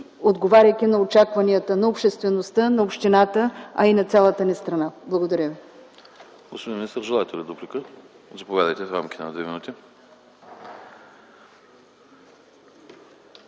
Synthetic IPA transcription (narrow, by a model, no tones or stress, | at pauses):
od̪ɡovaɾʲəjk̪inɐot͡ʃakvɐniət̪ənɐopʃt̪ɛst̪vɛnost̪ənɐopʃt̪inat̪əɐ̰inɐt̪sʲalˠət̪ənɛst̪ɾɐnablˠəɡod̪ɐɾʲəvi | ɡospod̪inminist̪əɾʒɛlˠaɛt̪ɛlʲɛd̪oplikə | zɐpovʲjad̪əjt̪ɛfɾa̰mkʲi̥t̪ɛnɐd̪vɛminut̪i